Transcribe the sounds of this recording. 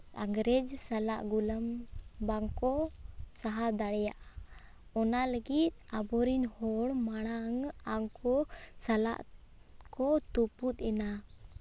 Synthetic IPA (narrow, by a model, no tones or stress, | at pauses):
aŋɡɾɛd͡ʒsalaʔɡuləmbaŋkɔsaɦad̪aɽɛjaʔa | ɔnaləɡit̪̚abɔɾinhɔɽmaɽ̃aŋaŋkʰɔsala̰ʔ | kɔt̪uput̪̚ˀɛna